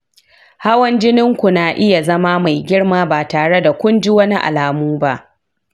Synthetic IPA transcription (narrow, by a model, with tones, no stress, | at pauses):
ha˦wɐ˦nd͡ʒɪ˦nɪ˦ŋkʷu˨naː˨ʔɪ˦ja˨zɐ˦maː˦ma˨jɡʲɪ˦ɽmaː˦baː˨taː˨ɽe˦da˨kʷʊ˦nd͡ʒɪ˦wɐ˦ni˦ʔa̰˨laː˨muː˦ba˦ʔ